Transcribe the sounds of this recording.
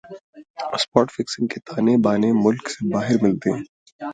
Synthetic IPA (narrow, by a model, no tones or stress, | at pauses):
spɔːʈfɪksɪ̃ŋɡket̪ʰaːnebaːnemʊlksebaːɦɪɾmɪlt̪eː